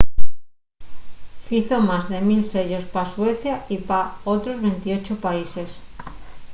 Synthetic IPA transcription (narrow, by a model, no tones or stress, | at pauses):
fiθomazðemilseʎospasweθjaipaot̪ɾozβent̪iot͡ʃopaises